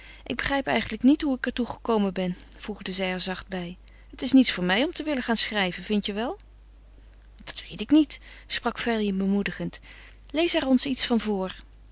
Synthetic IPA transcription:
ʔɪɡ̚bəχrɛjpɛjχən̩ləknitɦuɪkɛɹtuχəkowmənbɛnv̥ruχdəzɛjɛɹzɑχd̚bɛjɦətɪsnitsfʊːɹmɛjɔmtəʋɪləχaːnsχrɛjvənvɪntjəʋɛlˠ | d̥ɑ̥tʋejtɪknit | sprɑkfɛlibəmudəχənt | lejsɛrɔnsitsfɑnvʊːɹ

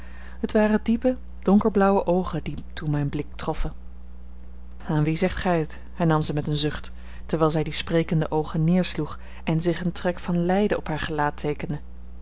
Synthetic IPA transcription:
ɦətʋaːrədipə | d̥ɔŋkəɹblʌwəʔowχənditunmɛjnblɪk̚trɔfən | aːnʋizɛχtχɛjət | hɛɹnɑmzɛmɛtənzɵχtː | əɹʋɛlˠzɛjdisprejkəndəʔowχənːɪːɹsluχ | ɛnzɪχəntrɛkfɑnlɛjdəʔɔpɦaːɹχəlaːtʰejkəndə

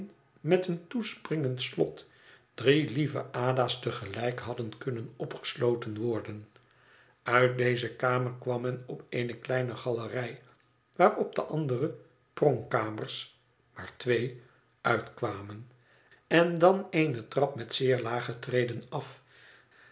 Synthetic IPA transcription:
n | mɛtəntusprɪŋəntslɔ̰t | d̥rilivə̰ʔaːdaːstəχəlɛjkɦɑdənkɵnənɔpχə̥slowtənʋɔɹdən | œɥt̚dejzəkaːməɹkʋɑmɛnɔpejnəklɛjnəχɑlərɛj | ʋaːɹɔb̚dəʔɑndərə | prɔŋkaːməɹs | maːɹtʋej | œɥtkʋaːmən | ɛndɑnejnətrɑpmɛtsɪːɹlaːχətrejdənɑf

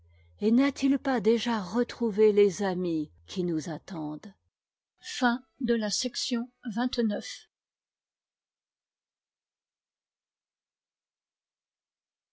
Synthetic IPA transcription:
enat̪ʰilpad̪eʒaʁət̪χuvelezami | kʲʰinuzat̪ɑ̃d̪ | fɛ̃ | d̪əlasɛksjɔ̃vɛ̃t̪nœf

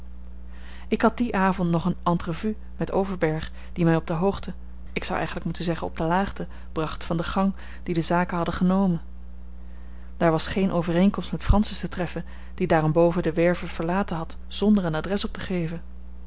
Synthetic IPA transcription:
ɪkɦɑt̚diʔaːvɔntnɔχənɑntrovy | mɛtowvəɹbɛɹχ | d̥imɛjɔb̚dəɦowχtə | ɪksʌ̰wʔɛ̰jχən̩ləkmutənzɛχənɔ̰b̚dəlaːχtə | b̥rɑχtfɑndəχɑŋ | d̥idəzaːkəɦɑdəχənowmən | d̥aːɹʋɑsχejnʔowvərejŋkɔmstmɛtfrɑnsəstətrɛfən | d̥idaːrɔmbowvədəʋɛɹvəv̥əɹlaːtənɦɑt | z̥ɔndəɹənadrɛsɔp̚təχejvən

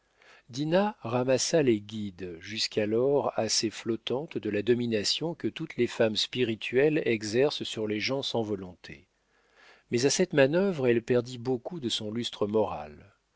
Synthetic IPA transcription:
d̪inaʁamasaleɡʲid̪ʒyskʰalɔʁaseflɔt̪ɑ̃t̪d̪əlad̪ɔminasjɔ̃kət̪ut̪lefamspiʁit̪ʰɥɛlɛɡzɛʁssyʁleʒɑ̃sɑ̃vɔlɔ̃t̪ʰḛ | mɛzasɛt̪manœvʁɛlpɛʁd̪ibokud̪əsɔ̃lyst̪χəmɔʁa̰l

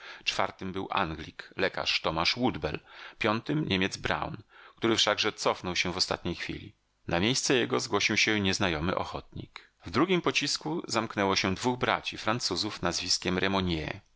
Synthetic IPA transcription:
t͡ʂfa̰ɾt̪ɘmbɘwʔa̰ŋɡlʲiklɛka̰ʂt̪ɔmaʂwud̪bɛ̰lpʲjɔnt̪ɘmɲemʲjɛd̪zbɾa̰wnk̚t̪uɾɘfʂaɡʐɛt̪sɔfnɔwɕɛ̃vɔst̪a̰t̪ɲejxfʲḭlʲḭ | namʲjejst̪sɛjɛɡɔzɡwɔɕiwɕɛɲɛznajɔmɘ̰ʔɔ̰xɔt̪ɲḭk | vd̪ɾuɡʲimpɔt͡ɕiskuzamknɛwɔɕɛd̪vuɣbɾa̰t͡ɕifɾant̪suzufnazvʲiskʲɛmɾʔɛmɔɲjɛ̰

